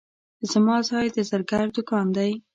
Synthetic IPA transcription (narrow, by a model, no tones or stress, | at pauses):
zəmɑzɑjd̪əzaɾɡaɾd̪ʊkɑnd̪aj